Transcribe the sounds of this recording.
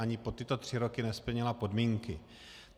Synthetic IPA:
aɲɪpo̞t̪ɪt̪o̞t̪r̝̥ɪɾo̞kɪnɛspl̩ɲɪlapo̞dmiːŋkɪ

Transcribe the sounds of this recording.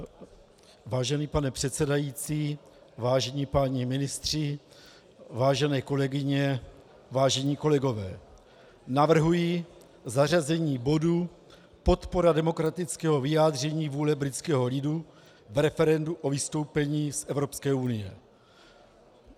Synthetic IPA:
vaːʒɛniːpanɛpr̝̥ɛt̪sɛdajit͡siː | vaːʒɛɲiːpaɲimɪnɪst̪r̝̥ɪ | vaːʒɛnɛːko̞lɛɡɪɲɛ | vaːʒɛɲiːko̞lɛɡo̞vɛː | navr̩ɦuji | zar̝azɛɲiːbo̞du | po̞t̪po̞ɾadɛmo̞kɾat̪ɪt͡skɛːɦo̞vɪjaːd̪r̝ɛɲiːvuːlɛbɾɪt͡skɛːɦo̞lɪdu | vɾɛfɛɾɛnduʔo̞vɪst̪o̞wpɛɲiːsʔɛvɾo̞pskɛːunɪjɛ

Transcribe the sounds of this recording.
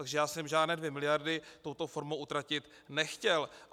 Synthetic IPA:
aɡʒɛjaːsɛmʒaːdnɛːdvjɛmɪlɪjardɪt̪o̞wt̪o̞foɾmowʔut̪ɾacɪt̪ | nɛxcɛl

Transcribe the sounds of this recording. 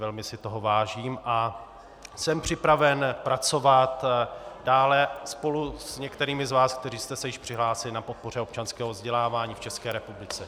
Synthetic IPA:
ɛlmɪsɪt̪o̞ɦovaːʒiːmʔa | sɛmpr̝̥ɪpɾavɛnpɾat͡so̞vat̪daːlɛspo̞lusɲɛkt̪ɛɾiːmɪzvaːsk̚t̪ɛɾiːst̪ɛsɛjɪʃpr̥ɪɦlaːsɪlɪnapo̞t̪̚po̞r̝ɛo̞pt͡ʃanskɛːɦovzɟɛlaːvaːɲiːft͡ʃɛskɛːɾɛpublɪt͡sɛ

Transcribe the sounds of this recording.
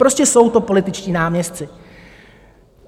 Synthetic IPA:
pɾo̞scɛso̞wt̪o̞po̞lɪt̪ɪt͡ʃciːnaːmɲɛst̪t͡sɪ

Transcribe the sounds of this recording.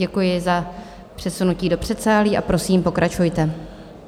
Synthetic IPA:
ɛkujɪza | pr̝̥ɛsunuciːdo̞pr̝̥ɛt̪saːliːʔa̰pɾo̞siːmpo̞kɾʔat͡ʃujt̪ɛ

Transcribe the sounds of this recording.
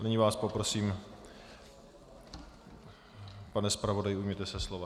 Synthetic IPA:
nɪɲɪvaːspo̞pɾo̞siːm | panɛspɾavo̞dajɪujmɲɛt̪ɛsɛslova

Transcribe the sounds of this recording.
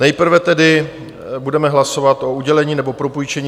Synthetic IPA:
nɛjpr̩vɛt̪ɛdɪ | budɛmɛɦlaso̞vat̪ʔo̞uɟɛlɛɲiːnɛbo̞pɾo̞pujt͡ʃɛɲː

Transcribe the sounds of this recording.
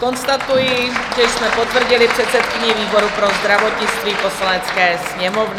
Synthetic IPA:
ko̞nst̪at̪ujɪʒɛjsmɛpo̞t̪vr̩ɟɪlɪpr̝̥ɛt̪sɛt̪kɪɲɛviːbo̞ɾupɾo̞zd̪ɾavo̞t̪ɲɪt͡st̪viːpo̞slanɛt͡skɛːsɲɛmo̞vnɪ

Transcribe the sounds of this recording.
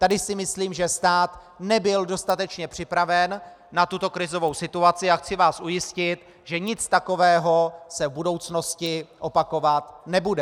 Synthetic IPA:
t̪adɪsɪmɪsliːmʒɛst̪aːt̪ | nɛbɪldo̞st̪at̪ɛt͡ʃɲɛpr̝̥ɪpɾavɛnː | at̪ut̪o̞kɾɪzo̞vo̞wsɪt̪uat͡sɪaxt͡sɪvaːsʔujɪscɪt̪ | ʒɛɲɪt͡st̪ako̞vɛːɦo̞sɛvbudo̞wt͡sno̞scɪʔo̞pako̞vat̪nɛbudɛ

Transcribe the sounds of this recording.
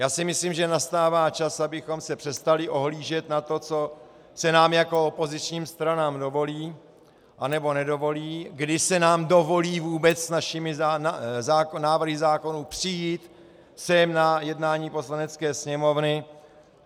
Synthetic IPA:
jaːsɪmɪsliːmʒɛnast̪aːvaːt͡ʃasabɪxo̞msɛpr̥ɛst̪alɪʔo̞ɦliːʒɛt̪nat̪o̞t͡so̞ | sɛnaːmjako̞opo̞zɪt͡ʃɲiːmst̪ɾanaːmdo̞vo̞liː | ʔanɛbo̞nɛdo̞vo̞liːɡdɪsɛnaːmdo̞vo̞liːvuːbɛt͡ssnaʃɪmɪzaazaːkonaːvr̩ɦɪzaːko̞nuːpr̥ɪjiːt̪ | sɛmnajɛdnaːɲiːpo̞slanɛt͡skɛːsɲɛmo̞vnɪ

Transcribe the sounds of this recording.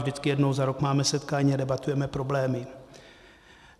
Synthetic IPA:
vʒdɪt͡skɪjɛdnowzaɾokmaːmɛsɛt̪kaːɲiːadɛbat̪ujɛmɛpɾo̞blɛːmɪ

